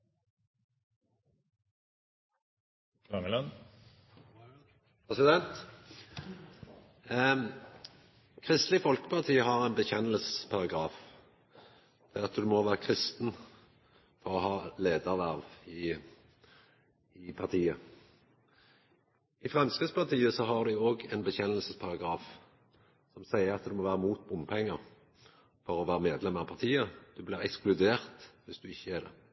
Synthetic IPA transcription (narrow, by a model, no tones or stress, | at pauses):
ɑŋəlœn | pɛsɪd̪ɛnt̪ | kʰʁɪst̪lɪfɔlkə̥pʰɑʁt̪ʰiːəhɑʁæɪnbəçɛnəlsəspʰɑʁɑɡʁɑːf | d̪̥ɛɑt̪d̪ʉmɔʋæːʁəkʰʁɪst̪n | fɔʁɔhɑːleːd̪əʁʋæʁʋɪ | ɪpʰɑt̪ʰiːə | ɪfʁɑmskɪspɑʁt̪ʰiːəsɔɦɑʁd̪ʉoːɡɛnbəçɛnəlsəspʰɑʁɑɡʁɑːf | sɔmsæɪəɾɑt̪d̪ʉmɔʋæːʁəmuːt̪̚bʊmpʰɛŋːəʁ | fɔʁɔʋæːʁəmeːd̪lɛməʁɑpʰɑʁt̪ʰiːəd̪̥ʉblɪːʁɛksklʉd̪eːʁt̪ʋɪsd̪̥ʉɪçːəæd̪ɛ̰